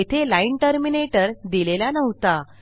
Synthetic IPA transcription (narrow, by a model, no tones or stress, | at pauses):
et̪ʰelaiɳʈəɾmineʈəɾd̪ilelanəʋt̪a